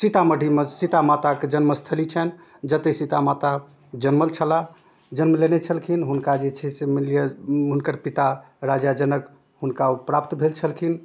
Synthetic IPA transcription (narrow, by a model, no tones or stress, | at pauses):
sit̪aməɖʱimesit̪amat̪aked͡ʒənməst̪ʰəlit͡ʃʰɛn | d͡ʒət̪esit̪amat̪a | d͡ʒənməlt͡ʃʰəla | d͡ʒənməlenet͡ʃʰəlkʰinɦunkad͡ʒet͡ʃʰɛsemiljəɦunkəɾpit̪a | ɾad͡ʒad͡ʒənək | ɦunkaupɾapt̪bʱelt͡ʃʰəlkʰin